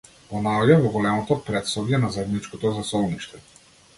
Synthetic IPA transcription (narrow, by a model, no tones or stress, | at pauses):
pɔnaɔɟavɔɡɔlɛmɔt̪ɔpɾɛt̪sɔvjɛnazaɛd̪nit͡ʃkɔt̪ɔzasɔlˠniʃt̪ɛ